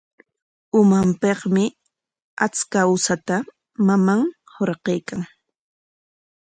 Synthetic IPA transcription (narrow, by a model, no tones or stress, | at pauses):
ʊmampeqmɪ | a̰t͡skaʊsat̪a | mamaŋ | hoɾqejkaŋ